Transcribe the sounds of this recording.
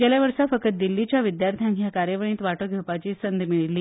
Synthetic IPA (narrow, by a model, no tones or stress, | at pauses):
d͡ʑaljaʋəɾsafəkət̪̚d̪ilːit͡ɕjaʋid̪jaɾt̪ʰjanʱjakaɾjəʋəɳ̃ĩːt̪ʋaʈoɡʱewpat͡ɕiːsənd̪miɭilːiː